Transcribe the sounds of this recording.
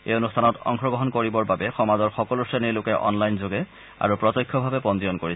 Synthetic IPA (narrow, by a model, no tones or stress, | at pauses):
ḛjonustʰanɔtɔ̰ŋxɹɔɡɔɦɔnkoɹibɔɹbabɛxɔmazɔɹxɔkɔlusenilʊkɛʔɔ̰nlajnzoɡɛ | a̰ɹupɹɔtɔjkʰːɔbʱabɛpɔndijɔnkoɹi